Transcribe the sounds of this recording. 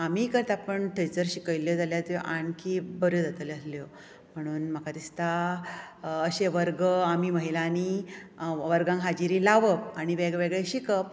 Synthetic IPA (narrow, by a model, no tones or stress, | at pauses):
amiːkəɾt̪apəɳʈʰəjt͡səɾɕikəʋiljod͡zaljat̪joʔaɳkibəɾjod͡zat̪ələsljo | m̤əɽ̃uːnm̤əkad̪ist̪a | əɕeʋəɾɡəamiːməɦilani | ʋəɾɡãŋkɦad͡ʑiɾilaʋəpaɽ̃iʋeɡʋeɡɭeɕikəp̚